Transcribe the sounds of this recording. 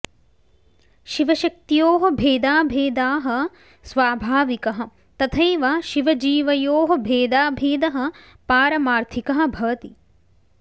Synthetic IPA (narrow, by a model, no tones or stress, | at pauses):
ʃiʋɐʃɐk̚t̪ijoːɦɐ̆bʱeːd̪aːbʱeːd̪aːɦɐ̆ | sʋaːbʱaːʋikɐɦɐ̆ | t̪ɐt̪ʰɐjʋɐʃiʋɐd͡ʒiːʋɐjoːɦɐ̆bʱeːd̪aːbʱeːd̪ɐɦɐ̆ | paːɾɐmaːɾt̪ʰikɐɦɐ̆bʱɐʋɐt̪i